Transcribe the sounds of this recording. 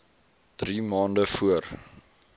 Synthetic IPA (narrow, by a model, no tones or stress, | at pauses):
d̥rimɑːndəfuər